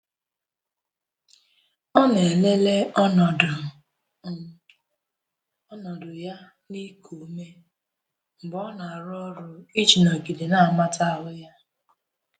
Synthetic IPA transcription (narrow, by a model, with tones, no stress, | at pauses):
ɔ˦ne˨le˦le˦˨˦ | nɔ˨dʊ˨ja˦ | ni˦kʰo˨˦me˦ | m̩˨bɔ˦na˨a˨ɾɔ˦ɾʊ˨i˦t͡ʃi˨nɔ˨ɡi˨de˨na˦˨ma˦ta˦a˨ɦʊ˦ja˦